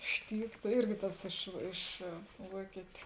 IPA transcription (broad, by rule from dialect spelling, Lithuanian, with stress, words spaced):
ˈʃʲtʲiːws ˈɪrʲɡʲɪ ˈtɐs ˈɪʃ ˈɪʃ ˈʋuɔkʲɪtʲʊ